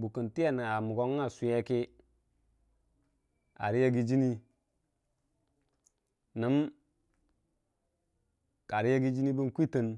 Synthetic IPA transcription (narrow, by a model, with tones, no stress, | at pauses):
bu˨kə˨nti˦e˦˨n˨a˨mu˨ɡo˦ŋ˦a˦˨su˨je˦ki˦ | a̰˨ɾi˦je˦ɡi˦d͡ʒi˦ni˦ | nə˨˦m | ka˨ɾi˦je˦ɡi˦d͡ʒi˦ni˦bi˦nkʷi˦tə˨n